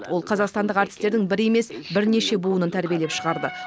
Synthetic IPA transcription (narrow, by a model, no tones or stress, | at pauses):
wo̞lˠqʰɑzɑqst̪ɑnd̪əqɑɾt̪ɪ̥st̪eɾd̪ɪŋbɪɾe̞me̞sbɪɾne̞ʃe̞buənənt̪ʰæɾbʲije̞leʃəʁɑɾd̪ə